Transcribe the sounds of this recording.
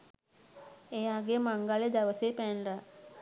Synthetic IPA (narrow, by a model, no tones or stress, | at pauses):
ejaːɡemaŋɡaled̪æʋəsepænla